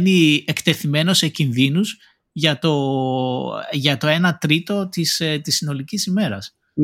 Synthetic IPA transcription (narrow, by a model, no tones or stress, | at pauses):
niekt̪e̞θime̞no̞se̞cinðinuz | ʝɐt̪o̞ | ʝɐt̪o̞e̞nɐt̪ɾit̪o̞t̪ist̪isːino̞licisime̞ɾɐs